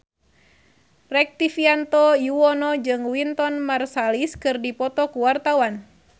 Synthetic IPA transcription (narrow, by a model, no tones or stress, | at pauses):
rɛk̚t̪ifiant̪ɔjuwɔnɔd͡ʒɨŋwint̪ɔnmarsaliskɨrdipɔt̪ɔkuwart̪awan